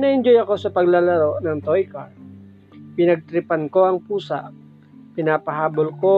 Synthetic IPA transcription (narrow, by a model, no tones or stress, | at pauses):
nɐʔɪnd͡ʒojɐko̞sɐpɐɡlalɐɾo̞ʔnɐŋt̪ojkɐɹ | pɪnɐɡ̚t̪ɾɪpɐnko̞ɐŋpuːsɐʔ | pɪnaːpɐɦaːbolko